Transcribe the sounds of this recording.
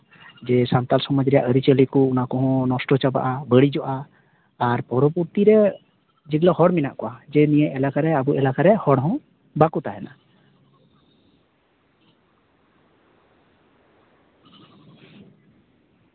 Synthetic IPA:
d͡ʒɛsant̪alsɔmɔd͡ʒɾɛja̰ʔəɾit͡ʃəlikɔunakɔɦɔ̃nɔsʈɔt͡ʃaba̰ʔabəɽid͡ʒɔʔaː | ɾpɔɾɔpuɾt̪iɾɛ | d͡ʒiɡlɔhɔɽmina̰ʔkɔʔad͡ʒɛnijɛʔɛlakaɾɛabuʔɛlakaɾɛhɔɽɦɔ̃ | bakut̪aɦɛna̰

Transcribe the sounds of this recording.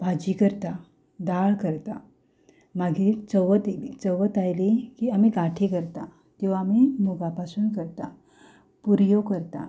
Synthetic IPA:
bʱad͡ʑikəɾt̪a | d̪aɭkəɾt̪a | maɡiːlt͡səʋət̪elit͡səʋət̪ajlikiamiɡaʈʰikəɾt̪a | t̪iʋ̤aːmimuɡapasuːnkəɾt̪a | puɾjokəɾt̪a̰

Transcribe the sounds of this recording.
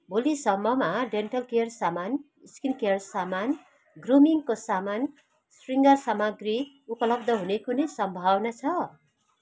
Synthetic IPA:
bʱolisʌmʌmaɖenʈʌlkeʌrsaman | iskinkeʌrsaman | ɡrumiŋkosaman | sriŋɡʌrsamaɡri | upʌlʌb̚d̪ʱʌɦunekunʌjsʌmbʱawnat͡sʰʌ

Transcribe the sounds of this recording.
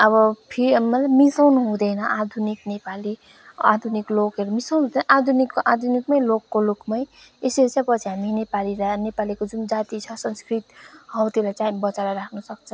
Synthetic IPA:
ʌβʌpʰiɾimʌlajmisʌwnɦũd̪ʌjnʌʔad̪ʱuniknepali | a̰d̪ʱuniklokeɾmisʌwnɦũd̪ʌnʌʔad̪ʱunikːʔad̪ʱunikmʌjlokːolokmʌj | eseɾt͡sãj̃pʌt͡sʰiɦaminepaliɾanepalikod͡zund͡zat̪it͡sʰʌsʌnskrit̪hʌwt̪ilajt͡saibʌt͡saɾaɾakʰnʌsʌk̚t͡sʰʌ

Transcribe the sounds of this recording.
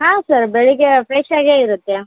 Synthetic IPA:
ɦãːsɐɾbeɭiɡepɾeʃaːɡeːiɾut̪ːe

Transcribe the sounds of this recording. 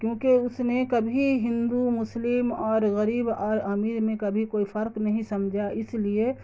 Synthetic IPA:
kjõːkeʊsnekɐbʱiɦɪ̃nd̪umʊslɪmɔːɾɣɐɾiːbɔːɾəmiːɾmẽkɐbʱikoːipʰəɾknɐɦĩsɐmd͡ʒʱaʔɪslie

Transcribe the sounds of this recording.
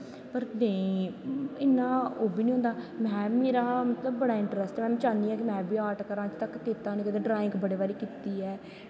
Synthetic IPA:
pəɾnẽː | ɪnːãːoːbʱiːnĩːɦʊ̃nd̪aːmɛ̃ːmeːɾaːmət̪ləbːəɽaːɪ̃ɳʈɾəsʈːmɛ̃ːt͡ʃãːnd̪iːɛːkimɛ̃ːbiːaːɾʈkəɾãːt͡ʃt̪əkːiːt̪aːniːkət̪eːɖɾaːɪ̃ŋkbəɽeːbaːɾiːkiːt̪iːɛː

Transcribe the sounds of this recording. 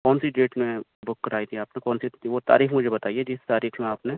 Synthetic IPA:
kɔːnsiɖeːʈmẽbʊkːɐɾaːit̪ʰiaːpnekɔːnsiʋot̪a̰ːɾiːxmʊd͡ʒʱebɐt̪aːied͡ʒɪst̪aːɾiːxmẽaːpne

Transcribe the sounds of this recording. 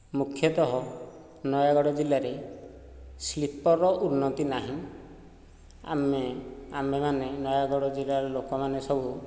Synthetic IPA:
mukʰjɔt̪ɔɦɔ | nɔjaɡɔɽɔd͡ʒilaɾe | slipɔɾɔʔunːɔt̪inaɦĩ | a̰meamemanenɔjaɡɔɽɔd͡ʒilaɾɔlokɔmanesɔbʱu

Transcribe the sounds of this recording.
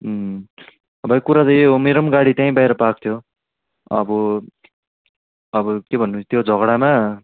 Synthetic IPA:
ʌbʱʌjkuɾadʌjomeɾʌmɡaɽit̪jaĩbajɾʌpak̚t̪ʰjo | ʌ̰bʌ | ʌbʌkebʱʌnːunt͡sʰʌ̥t̪jod͡zʱʌɡɽama

